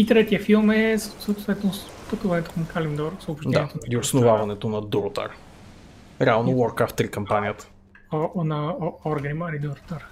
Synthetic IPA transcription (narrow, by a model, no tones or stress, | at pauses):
it̪ɾɛt̪iəfilˠmɛssot̪vɛt̪ɛnospɐt̪uvɐnɛt̪oxumkalimd̪ɔɾsəʊpʃtdɛaɛt̪oiosnʊvavɐnɛt̪onɐd̪uɾot̪a̰ɾ | ɾɛalˠnowɔɾkaft̪ːɾikɐmpaniət̪ə̥ | ɔnɐɔɾɡmɐɾid̪uɾot̪aɾ